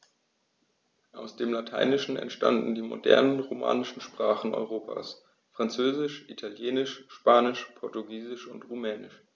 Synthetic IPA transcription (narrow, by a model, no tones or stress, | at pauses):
ʔaʊsd̥eːmlatʰa̰ɪnɪʃn̩ɛ̰ntʃta̰ndn̩diːmo̰dɛ̰ɐnənʁoma̰ːnɪʃn̩ʃpʁ̥aːχn̩ɔ̰ʏʁoːpʰa̰ːs | fʁ̥ant͡søːzɪʃʔitʰaljeːnɪʃʃpaːnɪʃpʰɔɐtuɡiːzɪʃʊntʁumɛːnɪʃ